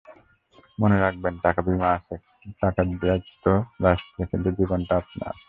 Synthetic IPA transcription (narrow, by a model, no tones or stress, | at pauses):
moneɾak̚benʈakabimaasʰe | ʈakaɾad͡ʑit̪oɾaʃekint̪ud͡ʒibonʈaapna̰ɾ